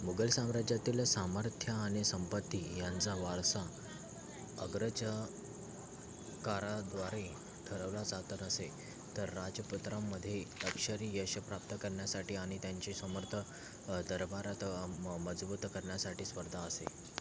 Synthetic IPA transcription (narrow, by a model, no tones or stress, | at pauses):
muɡəlsamɾad͡ʑjat̪iːlsaməɾt̪ʰjəːɽ̃isəmpət̪ːiːjant͡saʋaɭsa | əɡɾəd͡ʑ | kaɾad̪ʋaɾe | ʈ̪ʰəɾəʋlad͡zat̪ənəse | t̪əɾːad͡ʑəput̪ɾamːəd̪ʱːjeləkʂəɾiːjəɕəpɾap̚t̪əkəɾɳjasaʈiːaɽ̃it̪jaɲt͡ɕisəməɾt̪ʰə | d̪əɾbaɾat̪məd͡zbuːt̪kəɾɳjasaʈiːspəɾd̪ʱaəsḛ